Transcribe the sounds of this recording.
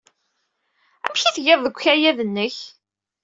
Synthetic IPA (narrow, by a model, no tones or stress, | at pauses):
æ̰mçiθʝeðˤðəɡʷçæjæðənːəç